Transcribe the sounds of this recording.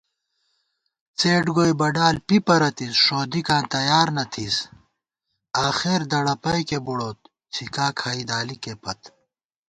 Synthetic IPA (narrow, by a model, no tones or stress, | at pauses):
t͡seːʈɡoːjbɐɖaːlpipɐɾɐt̪isʂoːd̪ikãːnt̪ɐjaːɾnɐt̪ʰis | aːxeːɾd̪ɐɽɐpɐjkebuɽoːt̪̚ | t͡sʰikaːkʰaːid̪aːlikepɐt̪